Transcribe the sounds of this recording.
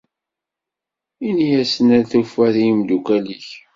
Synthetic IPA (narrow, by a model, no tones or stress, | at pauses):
inijæsənæɾθufæθimd̪ukæliç